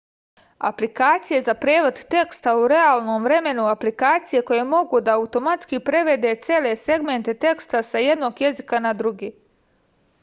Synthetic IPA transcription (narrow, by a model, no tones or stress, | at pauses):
a̰plikaːt̪sije̞zapɾeːʋo̞d̪t̪e̞kst̪auɾe̞aːlˠno̞ːmvɾe̞me̞nuaplikaːt̪sije̞ko̞je̞mo̞ɡud̪aaut̪o̞mat̪skipɾe̞ʋe̞d̪e̞t̪seːle̞se̞ɡme̞nt̪e̞t̪e̞kst̪asaje̞d̪no̞ɡje̞zikanad̪ɾuɡiː